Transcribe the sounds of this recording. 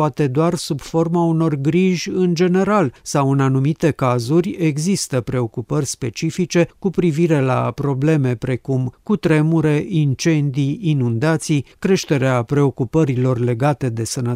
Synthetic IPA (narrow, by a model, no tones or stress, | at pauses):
at̪e̞d̪oarsubfo̞rmauno̞rɡɾiʒʲɨnd͡ʒe̞ne̞ɾalsawɨnanumit̪e̞kazurʲe̞ɡzist̪əpɾe̞o̞kupərʲspe̞t͡ʃifit͡ʃe̞kupɾiviɾe̞la̰pɾo̞ble̞me̞pɾe̞kumkut̪ɾe̞muɾe̞ʔint͡ʃe̞nd̪iinund̪at̪sijkɾe̞ʃt̪e̞ɾeapɾe̞o̞kupəɾilo̞rle̞ɡat̪e̞d̪e̞sənə